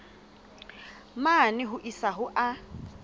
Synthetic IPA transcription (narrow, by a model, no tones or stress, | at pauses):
manɪɦʊʔisaɦʊʔa